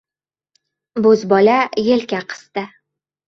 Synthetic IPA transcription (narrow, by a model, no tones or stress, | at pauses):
bɵzbɒlajelkʲaqʰɨ̥st̪ɪ